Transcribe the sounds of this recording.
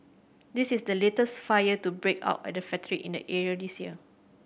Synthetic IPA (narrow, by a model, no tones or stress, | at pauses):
disisdəletəstfajətubɹekʰa̰ʊtɛ̰dəfɛtɹiʔḭ̃ndə̰ʔɛɹiədisjiə